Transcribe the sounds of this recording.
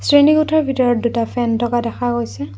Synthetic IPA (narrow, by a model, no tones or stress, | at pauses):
sɹinikutʰɔɹbʱitɔɹɔt̚dutapʰɛntɔkadɛxʰaɡojsɛ